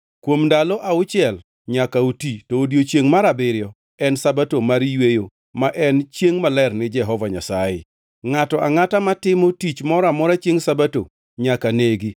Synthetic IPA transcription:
kwomdalɔʔaʊt͡ʃɪɛl | ɲakautitoːdjot͡ʃjeŋmaɾabɪɾɪjɔ | ɛnsabatomaɾijwejo | maʔɛnt͡ʃjeŋmalɛrnɪd͡ʒɛɦɔvaɲa̰sajɪ̰ | ŋatɔʔaŋatamatɪmotit͡ʃmɔɾamɔɾat͡ʃjeŋsabato̰ | ɲakaneɡi

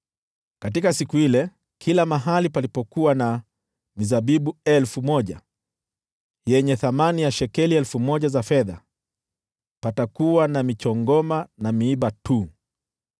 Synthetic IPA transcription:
kat̬ikasikuhilɛ | kʰilamaɦalipalipɔkuwana | mizaɓiɓuɛlfumɔʄa̰ | jɛɲɛθamanijaʃɛkɛliɛlfumɔʄazafɛða̰ | patakuwanamit͡ʃɔŋɡɔmanamiiɓatu

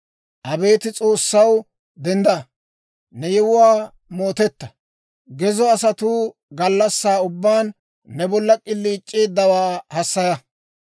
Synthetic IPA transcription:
ʔɐbe̞ːt̪ɪt͡sʼo̞ːsːɐw | d̪ɛnd̪ɐ | nɛjɛwʊwaː | moːt̪ɛt̪ːɐ | ɡɛzɔɐsɐt̪uːɡɐlːɐsːaːʊbːaːnː | ɛbɔlːɐkʼɪlːiːt͡ʃʼːeːd̪ːɐwaːhɐsːɐjɐ

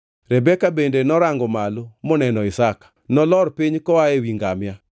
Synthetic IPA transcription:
ɾɛbɛkabendenɔɾaŋɡɔmalomɔnɛnɔɪsakḁnɔlɔɾpiɲkɔaewiŋɡamja

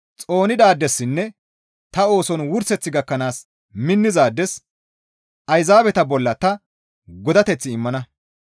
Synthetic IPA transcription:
t͡sʼo̞ːnɪd̪aːd̪ːɛsːɪnːɛ | t̪ɐo̞ːsɔnwʊɾsɛt͡sːɪɡɐkːɐnaːs | mɪnːɪzaːd̪ːɛs | ʔɐjzaːbɛt̪ɐbɔlːɐt̪ɐ | ɡɔd̪ɐt̪ɛt͡sːɪɪmːɐnɐ

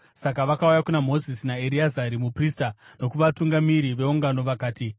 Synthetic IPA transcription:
sak̬aʋakaujakunamo̞zisinaeɾiazaɾimupriːstano̞kuʋatuŋɡamiɾiʋe̞uŋɡano̞ʋakaːti

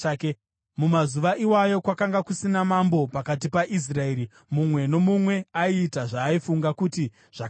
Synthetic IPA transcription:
ke | mumazuʋaʔiwajo̞kwakaŋɡakusinamambo̞pakat̬ipaʔis̬rae̞ːɾi | mumwe̞no̞mumwe̞aiːtaʐaːifuŋɡakuti | ʐ̥a

